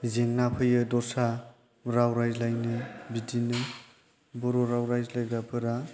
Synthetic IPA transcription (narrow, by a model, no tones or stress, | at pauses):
zeŋnapʰɯjɯdɔsa | ɾawɾajzlajnɯbidinɯ | bɔɾɔɾawɾajzlajbabʰɯɾa